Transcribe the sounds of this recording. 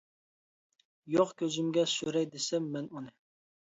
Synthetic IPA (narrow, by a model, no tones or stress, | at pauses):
joqkʲʰøzymɡʲɛsyɾɛjd̪esɛmːɛnunɨ